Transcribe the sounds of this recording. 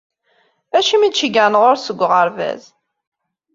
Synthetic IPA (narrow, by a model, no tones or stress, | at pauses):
æʃimid̪ʃiɡanʁʊɾsəɡʷːʁəɾvæ̰z